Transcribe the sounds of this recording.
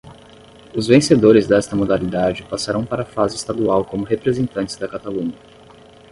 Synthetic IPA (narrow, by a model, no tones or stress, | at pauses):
ʊzvẽsed̪oɾɪzd̪ɛst̪ɐmod̪alid̪ad͡ʒɪpasaɾɐ̃w̃paɾɐfazɪst̪ad̪uawkõmʊɦepɾezẽnt̪ɐ̃nt͡ʃɪzd̪ɐkat̪alũɲɐ